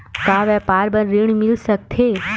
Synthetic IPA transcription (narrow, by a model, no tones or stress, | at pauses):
kaʋɛpaɾbənɾiɳmilʃək̚t̪ʰe